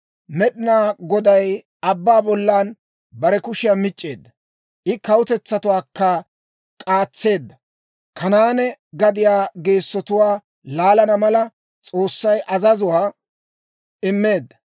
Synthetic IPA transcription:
mɛɗɪnaːɡɔd̪ɐj | ɐbːaːbɔlːaːn | bɐɾɛkʊʃɪjamɪt͡ʃʼːe̞ːd̪ːɐ | ʔɪkɐwʊt̪ɛt͡sːɐt̪ʊwaːkːɐ | kʼaːt͡sːe̞ːd̪ːɐ | kʰɐnaːnɛɡɐd̪ɪjaːɡe̞ːsːɔt̪ʊwaː | laːlɐnɐmɐlɐ | t͡sʼo̞ːsːɐjʔɐzɐzʊwaː | ɪmːe̞ːd̪ːɐ

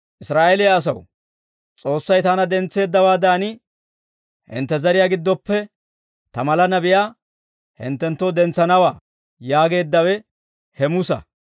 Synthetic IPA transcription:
ʔɪsɾaːʔɛlɪjaːs̬ɐw | t͡sʼo̞ːsːɐjt̪aːnɐd̪ɛnt͡sːe̞ːd̪ːɐwaːd̪aːnɪ | hɪ̰nt̪ːɛzɐɾɪjaːɡɪd̪ːɔpːɛ | t̪ɐmɐlɐnɐbɪjaː | hɪ̰nt̪ːɛnt̪ːɔd̪ɛnt͡sːɐnɐwaː | jaːɡe̞ːd̪ːɐwɛ | hɛmʊsɐ̰

